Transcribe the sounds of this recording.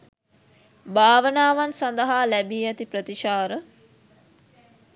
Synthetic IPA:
baːʋənaːʋansand̪əɦaːlæbiːɛt̪ipɾət̪iʃaːɾə

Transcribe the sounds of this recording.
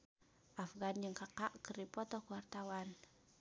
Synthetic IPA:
ʔafɡand͡ʒəŋkakaʔkəɾipɔt̪ɔkuwart̪awan

